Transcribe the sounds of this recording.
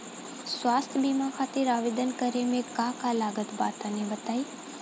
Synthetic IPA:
sʋaːst̪ʰbiːmakʰaːt̪ɪɾaːʋeːd̪ənkəɾemẽkãkalaːɡət̪ba̰ːt̪anẽbət̪aːiː

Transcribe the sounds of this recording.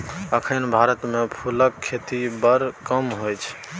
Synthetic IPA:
əkʰənbʱaɾət̪mepʰuləkʰːet̪ibəɾkəmɦojt͡ʃʰ

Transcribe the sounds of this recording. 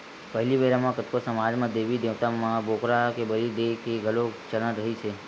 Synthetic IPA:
pəɦliʋəɾamãkət̪kosəmad͡ʒmãd̪eʋid̪eʋt̪amãbokɾakebəɾid̪ekeɡʱəlot͡ʃəɾənɾəɦit͡ʃʰe

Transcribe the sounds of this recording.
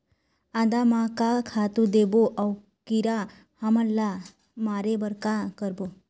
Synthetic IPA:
ad̪amãkakʰat̪ũd̪eboʔaw | kiɾa | haməlːa | maɾebəɾkakəɾbo

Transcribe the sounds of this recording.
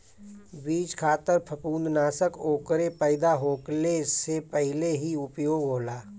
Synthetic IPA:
biːd͡ʒkʰaːt̪əɾpʰəpũːnd̪naːsəkoːkəɾepəɪd̪aɦoːklesepɛɦɪleɦiʊpjoːɡɦoːlaː

